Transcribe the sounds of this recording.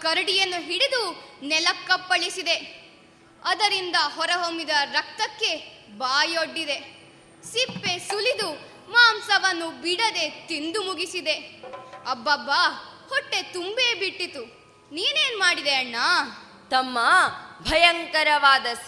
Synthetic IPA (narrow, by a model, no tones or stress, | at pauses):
kɐɾɐɽijɐnːuɦiɽid̪unɛlɐkːɐpːɐɭisid̪e̞ | ɐd̪ɐɾind̪ɐɦɔɾɐɦomid̪ɐɾɐk̚t̪ɐkːe̞baːjoɖːid̪e̞ | sipːe̞sulid̪u | maːmsɐʋɐnːubiɽɐd̪e̞t̪ind̪umuɡisid̪e̞ɐbːɐbːahɔʈːe̞t̪umbe̞ːbiʈːit̪u | niːne̞ːnmaːɽid̪eɐɳːɐ | t̪ɐmːɐbʱɐjɐŋkɐɾɐʋaːd̪ɐs